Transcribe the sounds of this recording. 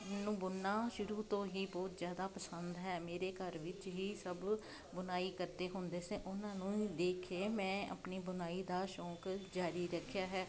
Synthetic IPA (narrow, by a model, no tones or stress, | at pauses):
nũːbʊnːaːʃʊɾuːt̪õːɦiːbɔːt̪zjaːd̪aːpəsənd̪ɦɛːmeːɾeːkəɾʋɪt͡ʃɦiːsəb | bʊnaːiːkəɾt̪eːɦʊnd̪eːsẽːʔʊnãːnũːid̪eːkʰeːmɛ̃ːə̰pniːbʊnaːiːd̪aːʃɔːkd͡ʒaːɾiːɾəkʰːjaːɦɛː